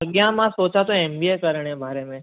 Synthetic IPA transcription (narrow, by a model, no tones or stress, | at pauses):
əɡjãmãsot͡ʃãt̪oɛmbiekəɾəɳ̃ẽbʱaɾemẽ